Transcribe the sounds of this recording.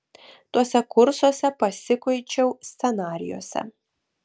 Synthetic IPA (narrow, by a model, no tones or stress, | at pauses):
t̪uɔsʲɛkʊɾsuɔsʲɛpɐsʲɪkɐɪt͡ʃʲɛʊsʲt̪sʲɛnɑːɾʲɪ̰jo̰ːsʲɛ̰